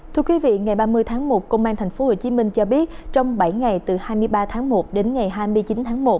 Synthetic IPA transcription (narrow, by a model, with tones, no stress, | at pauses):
t̪ʰɨ˧əkwi˨˦vḭ˧˨ŋa˨˩jɓaː˧mɨ˧əjt̪ʰaː˨˦ŋmo˨˩t̚kə˧wŋ͡mʔaː˧nt̪ʰɛ˨˩ŋ̟fo˨˦ho˧˨˩t͡ɕi˨˦mï˧ŋ̟t͡ɕɔ˧ɓi˦˥ət̚t͡ɕɔ˧wŋ͡mɓa˧˩jŋa˨˩jt̪ɨ˨˩haː˧jmɨ˧əjɓaː˧t̪ʰaː˨˦ŋmo˨˩t̚ɗe˨˦nŋa˨˩jɦaː˧jmɨ˧əjt͡ɕi˨˦nt̪ʰaː˨˦ŋmo˨˩t̚